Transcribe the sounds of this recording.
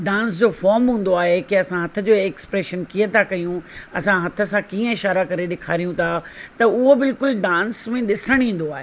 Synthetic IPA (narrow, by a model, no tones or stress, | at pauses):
ɖãːnsd͡ʑoːfɔːɾmɦũːn̆d̪oaːɦekeɐsãɦɐt̪ʰə̆d͡ʑoːɛkspɾeːʃənkiət̪ʰakɐjũɐsãɦɐt̪ʰə̆sãkiːə̃ɪʃaːɾakɐɾeɗɪkʰaːɾijũt̪ʰat̪ɐʊɦobɪlkʊlɖãːnsmẽɗɪsəɽ̃ĩːn̆d̪oaːɦe